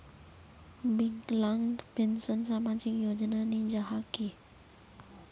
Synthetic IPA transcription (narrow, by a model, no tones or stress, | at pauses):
biŋklaŋɖpensənsamad͡ʑikjod͡ʑnanid͡ʑaɦaki